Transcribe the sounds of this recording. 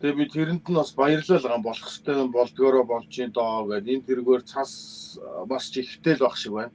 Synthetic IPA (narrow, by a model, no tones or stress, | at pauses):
t̪ʰepʲit̪ʰeɾɘ̆nt̪ɘ̆naspajə̆rɮæːɮʁaːmpɔɮɞ̥̆st̪ʰœːmpɔɮt̪ɣɔːɾɔːpɔɮt͡ɕiːnt̪ɔːwæːt̪ent̪ʰeɾɣeːrt͡sʰas | mast͡ɕʰixt̪eːɮpaχʃɪ̆kwæːn